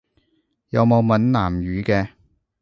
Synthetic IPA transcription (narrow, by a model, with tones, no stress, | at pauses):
jɐ˨˧wmo˨˧wmɐ˨˥nnaː˨˩mjyː˨˧kɛː˧